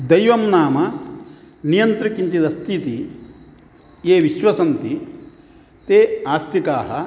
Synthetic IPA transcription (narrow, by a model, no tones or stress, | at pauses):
d̪ɐjʋɐmnaːmɐ | nijɐnt̪ɾikint̪id̪ɐst̪ʰit̪i | eːʋiʃʋɐsɐnt̪i | t̪eːaːst̪ʰikaːɦɐ